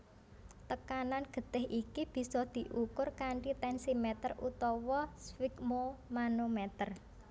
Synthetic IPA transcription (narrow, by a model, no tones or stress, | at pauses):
t̪əkananɡ̥ə̤t̪ɪɦʔikib̥i̤sɔd̪̥i̤ʔukʊrkaɳʈit̪ɛnsimɛt̪ərut̪ɔwɔswikmomanomɛt̪ər